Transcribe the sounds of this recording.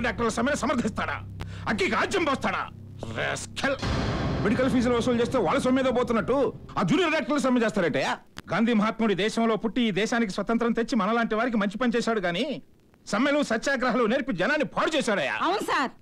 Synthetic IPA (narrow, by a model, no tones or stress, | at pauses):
ɖaːk̚ʈɐɾlɐsɐmjɐlɐsɐmɐɾd̪ʱist̪aːɽa̰ː | ɐɡikaːd͡ʒɐmbɔst̪aːɽa̰ː | ɾḛskʰelmeɽikɐlpʰiːd͡ʒɐlʋɐsult͡ʃe̞ːst̪eːʋaːɭːɐs̬ɐmiːd̪ɐboːt̪unːɐʈːu | aːd͡ʒuːnijɐɾɖjaːk̚ʈɐɾlɐs̬ɐmjɐd͡ʒɛːst̪aːɾɐʈːɐjaːɡaːnd̪ʱiːmɐɦaːt̪̚mɐuɽid̪ɛːʃɐmloːpuʈːiiːd̪ɛːʃaːnikisʋɐt̪ɐnt̪ɾɐnt̪et͡ʃːimɐnɐlaːɳʈiʋaːɾik̬imɐɲt͡ʃipɐnit͡ʃɛːʃaːɽuɡaːni | sɐmːɐlusɐt͡ʃːaːɡɾɐɦɐluneːɾpid͡ʒɐnaːnːipʰaːɽut͡ʃɛːsaːɽɐja̰ːɐwunɐsaːɾ